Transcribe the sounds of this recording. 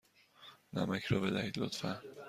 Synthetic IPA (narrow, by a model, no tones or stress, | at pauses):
næ̰mækʰɾɒːbed̪æhid̪lot̪fæ